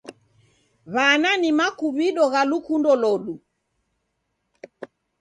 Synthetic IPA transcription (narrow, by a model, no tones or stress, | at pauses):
βananimakuβiɗɔɣalukundɔlɔɗu